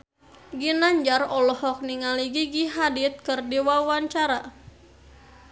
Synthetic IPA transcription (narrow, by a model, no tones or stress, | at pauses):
ɡinaɲd͡ʒarɔlɔhɔk̚niŋaliɡiɡiɦadit̪̚kɨrdiwawaɲt͡ʃaɾa